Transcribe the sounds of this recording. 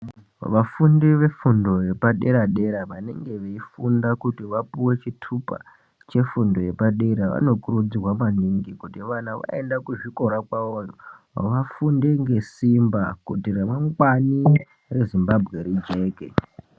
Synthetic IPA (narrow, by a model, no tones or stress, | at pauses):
ʋafundiʋe̞fundo̞je̞paɗe̞ɾaɗe̞ɾaʋane̞ŋɡe̞ʋeifundakutiʋapuwe̞t͡ʃitʰupa̰ | t͡ʃe̞fundo̞je̞paɗeɾaʋa̰no̞kurud͡zirwamaniŋɡikutiʋanaʋa̰e̞ndakuʐiko̞ɾakwaojo | ʋafundeŋɡe̞simbakutiremaŋɡwani | re̞zimbabʱɣe̞ɾid͡ʒe̞ːkḛ